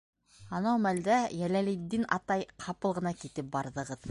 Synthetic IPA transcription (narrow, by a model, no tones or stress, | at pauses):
ɑnɑwmæld̪æjælælid̪ːinɑ̰t̪ɑjqʰɑpɤlˠʁɤ̆nɑkit̪ɘp̚bɑɾðɤ̆ʁɤð